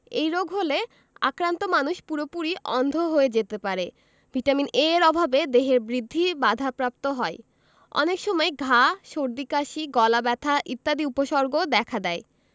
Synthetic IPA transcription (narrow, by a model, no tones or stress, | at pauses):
ejɾoɡʱɦole | a̰kɾant̪omanuʃpuɾopuɾiʔɔnd̪ʱoɦoed͡ʑet̪epaɾe | b̥ʱiʈamineɾɔbʱabed̪eɦeɾbɾid̪ʱːibad̪ʱapɾap̚t̪oɦɔe | ɔ̰nekʃɔmɔeɡʱaʃoɾd̪ikaʃiɡɔlabɛt̪ʰaʔit̪ːad̪iupoʃɔɾɡod̪ɛkʰad̪ɛe